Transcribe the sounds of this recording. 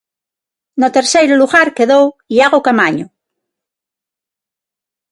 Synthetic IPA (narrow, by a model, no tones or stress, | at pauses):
not̪eɾsejɾoluɣaɾkeðowiaɣokamaɲo